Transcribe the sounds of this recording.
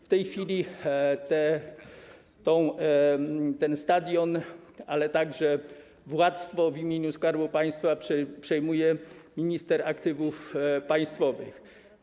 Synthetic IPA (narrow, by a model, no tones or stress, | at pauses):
ft̪ɛjxfʲilʲit̪ɛ | t̪ɔ̃w̃ | t̪ɛnst̪ad̪ʲjɔna̰lɛt̪aɡʐɛ | vwat̪st̪fɔvimʲjeɲuskaɾbupaj̃st̪fapʂɛpʂɛjmujɛmʲiɲist̪ɛɾakt̪ɘvufpaj̃st̪fɔvɘ̰x